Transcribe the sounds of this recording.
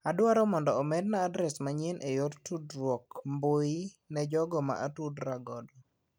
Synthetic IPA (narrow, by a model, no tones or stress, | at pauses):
adwaɾɔmɔndɔːmɛd̚naːdɾɛsmaɲɪnʔejottudɾwɔkmboinɛd͡ʒɔɡɔma̰ʔatudɾaɡɔdɔ